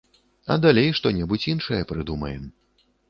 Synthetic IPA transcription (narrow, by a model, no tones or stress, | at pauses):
ɐ̰d̪alʲejʂt̪ɔnʲɛbut͡sʲinʂɐjɐpɾɨd̪umɐjɛm